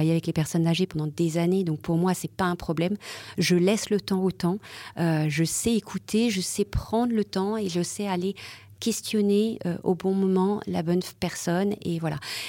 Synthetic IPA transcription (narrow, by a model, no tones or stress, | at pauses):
ajeavɛklepɛʁsɔnzaʒepɑ̃d̪ɑ̃d̪ezaned̪ɔ̃k̚puʁmwasɛpaɛ̃pχɔblɛmʒəlɛslət̪ɑ̃ot̪ɑ̃øʒəsɛekʰut̪ʰeʒəsɛpχɑ̃d̪ʁlət̪ɑ̃eʒəsɛale | kʲɛst̪jɔneø̰ʔo̰bɔ̃mɔmɑ̃la̰bɔnpɛʁsɔnḛvwala